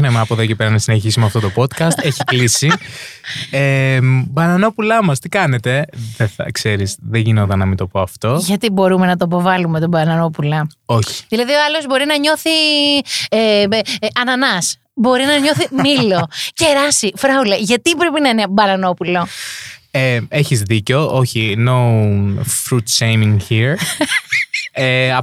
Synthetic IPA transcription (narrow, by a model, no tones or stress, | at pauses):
nemeɐpoðocepeɾɐnɐsineçisumeɐft̪o̞t̪opo̞t̪kɐst̪eçiklisi | embɐnɐno̞pulɐmɐst̪ikɐne̞t̪e̞ðeθɐ̰kse̞ɾizðeʝino̞t̪ɐnɐmint̪o̞po̞ɐft̪o̞ʝɐt̪ibo̞ɾume̞nɐt̪oipo̞vɐlumet̪obɐnɐno̞pulɐo̞çi̥ðilɐðioɐlo̞zbo̞ɾinɐɲo̞θi | eɐnɐnɐs | bo̞ɾinɐɲo̞θimmiloceɾɐsifɾɐulɐʝɐt̪ipɾepinɐinebɐnɐno̞pulo̞ | ee̞çizðiceo̞ʔoçino | fɾut̪t͡ʃejmiŋhiɾ | eɐ